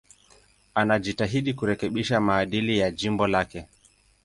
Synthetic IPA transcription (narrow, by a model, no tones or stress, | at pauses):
anaʄitaɦiɗikuɾɛkɛɓiʃamaːɗilijad͡ʒimbɔlakɛ